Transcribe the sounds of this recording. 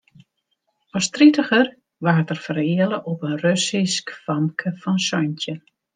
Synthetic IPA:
ɔstritəχər | ʋaːrtərfərɪələʔɔpənrøsiskfɑmkʰəfɔnsɔjntjə

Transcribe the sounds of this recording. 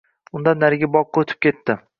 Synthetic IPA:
ʊnd̪anːaɾɪɡʲabɒqːɑot̪ʰɪ̥p̚kʲʰet̪ːɪ

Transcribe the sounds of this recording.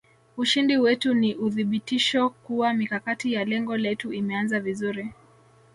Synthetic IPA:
uʃindiwɛtuniʔuðiɓitiʃɔkuwamikakatijalɛŋɡɔlɛtuimɛanzavizuɾi

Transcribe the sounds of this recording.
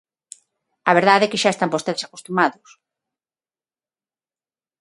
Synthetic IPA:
aβeɾð̞aðekɪʃaest̪ampost̪eðesako̥st̪umaðʊs

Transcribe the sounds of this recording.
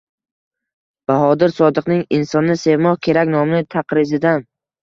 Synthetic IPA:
b̥aɦɒd̪ɪɾsɒd̪ɨqnɪŋɪnsɒnːɪse̞vmɒhkʲʰe̞ɾakʲnɒmnɪt̪ʰaqɾɪzɪd̪an

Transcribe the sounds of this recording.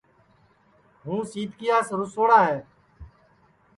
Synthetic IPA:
ɦũːsiːt̪kɪjaːsɾʊsoːɽaːɦeː

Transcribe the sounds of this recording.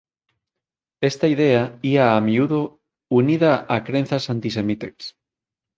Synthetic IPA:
est̪aiðeaiaːmiuðo | uniðaakɾẽn̟θasant̪isemit̪eks

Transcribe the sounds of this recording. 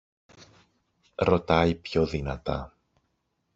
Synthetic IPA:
ɾo̞t̪ɐjpço̞ðinɐt̪ɐ̰

